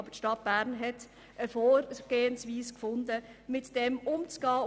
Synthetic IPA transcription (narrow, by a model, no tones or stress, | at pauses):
bətʃtɑt̚b̥æːʁnɦɛt | ʔəfoːɾɡ̥eːənsʋiːskfʊndəmɪtd̥ɛmʊmt͡sɡ̥ɑː